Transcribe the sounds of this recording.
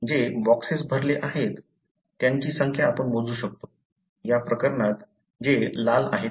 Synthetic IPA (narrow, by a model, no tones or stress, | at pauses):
d͡ʑebɔksesbʱəɾleʔaɦet̪ː | jaɲt͡ɕiːsəŋkʰjaːpəɳmod͡zuːɕək̚t̪o | japɾəkəɾɳat̪ | d͡ʑelala̰ɦet̪